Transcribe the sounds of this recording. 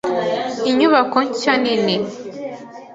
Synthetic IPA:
iɲuβakoɲcanine

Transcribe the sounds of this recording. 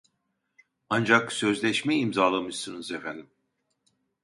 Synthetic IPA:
and͡ʒaksø̞zlʲɛʃmɛimzaːlˠamɯʃsɯnɯzefænd̪im

